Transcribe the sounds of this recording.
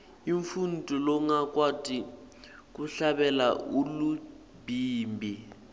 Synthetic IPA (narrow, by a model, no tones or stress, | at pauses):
iɱfun̩tʼulɔŋakwatʼi | k̬uɬaɓɛlaulu | biːmbʱi